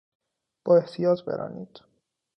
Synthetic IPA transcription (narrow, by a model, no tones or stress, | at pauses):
b̥ɒːeht̪ʰijɒːt̪ʰbe̞̰ɾʔɒ̰ːnid̪̥